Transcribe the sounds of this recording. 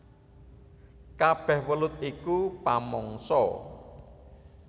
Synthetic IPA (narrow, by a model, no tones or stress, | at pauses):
kab̥ɛ̤hwəlʊt̪̚ikupamɔŋsɔ̰